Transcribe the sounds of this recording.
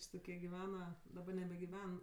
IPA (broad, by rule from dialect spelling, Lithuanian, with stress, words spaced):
ˈt͡ʃʲɪ toːˈkʲiɛ ɡʲɪˈʋʲæːnɐ dɐˈbɐ nʲɛbʲɛɡʲɪˈʋʲɛn